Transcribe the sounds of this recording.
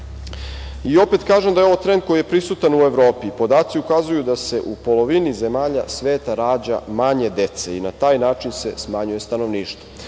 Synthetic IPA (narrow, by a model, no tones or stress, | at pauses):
io̞pet̪kaːʒemd̪ajeo̞ʋot̪ɾe̞nd̪̚ko̞jije̞pɾisut̪anue̞ʋɾoːpipo̞d̪aːt̪siukazujud̪ase̞ʔupo̞lo̞ʋinize̞maːʎasʋeːt̪aɾaːd͡ʑa̰maɲe̞d̪e̞t̪seinat̪aːjnaːt͡ʃinse̞smaɲuje̞st̪ano̞ʋniːʃt̪vo